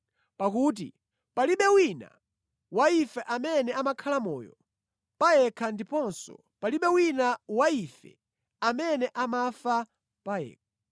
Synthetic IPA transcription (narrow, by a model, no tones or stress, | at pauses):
pakut̬ḭ | paliɓɛwina̰ | waifɛʔamɛnɛamakʰalamɔ̰ːjɔ̰ | pajɛkʰandipɔnsɔ̰ | paliɓɛwinawaifɛ̰ | amɛnɛʔamafa | pajɛ̰ːkʰḁ